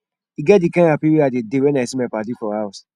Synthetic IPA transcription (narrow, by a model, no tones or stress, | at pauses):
iɡɛt̚dikãapiɾiadedewɛnaɛsimɛ̃padifɔhaʊs